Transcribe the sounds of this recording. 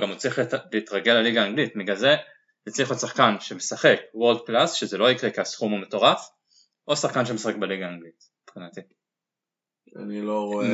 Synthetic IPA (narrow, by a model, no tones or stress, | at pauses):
ɡamut͡sliχliːtʁaɡe̞laliɡaːŋɡlitmiɡaze̞ | tit͡sliχusaχkanʃe̞mesaχe̞kwoʁld̪̚klasʃezelo̞ikʁekeasχumameto̞ʁaf | ʔo̞saχkanʃemesaχek̚beliɡaːŋɡlit̚ | pχinati | a̰niloʁo